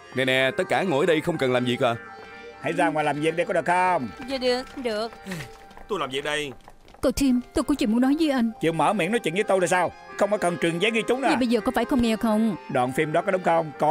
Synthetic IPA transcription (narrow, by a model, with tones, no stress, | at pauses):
nɛ˧nɛ˧˩t̪ə˦˥t̚kːaː˧˩ŋo̰˧˩˦jɗə˧jxə˧wŋ͡mkə˨˩nlaː˨˩mzḭ˨˩k̚ʔaː˨˩ | ha̰˧˩jzaː˧˩ŋwaː˨˩jlaː˨˩mvi˨˩ək̚ɗə˧jkɔ˨˦ɗɨ˨˩ək̚xə˧ŋ͡mzɔ˨˩ɗɨ˨˩ək̚ə˧ŋ͡mɗɨ˨˩ək̚ | t̪o˧jlaː˨˩vi˨˩k̚ɗə˧j | k̪o˧˩t̪ʰi˧mt̪o˧jkɔ˨˦t͡ɕwi˧˨mu˨˦nɔ˨˦jzi˨˦ʔa˧jŋ̟t͡ɕḭ˧˨wməː˧˩mḭ˧˥ənɔ˨˦jt͡ɕḭ˧˨nzəː˨˦t̪o˧laː˨˩jsaː˧wxə˧wŋ͡mfaː˧˦jkə˨˩nt͡ɕwi˨˩ənzɛː˨˦ɣi˧t͡ɕʊ˨˦ŋ͡mna˨˩ɓə˧jzəː˨˩kɔ˨˦faː˧˩jxə˧wŋ͡mŋɛ˧˩kxə˧wŋ͡mɗwa̰ː˧˨nfi˧mɗɔ˨˦kɔ˨˦ɗʊ˨˦ŋ͡mxə˧wŋ͡mkɔ˨˧˦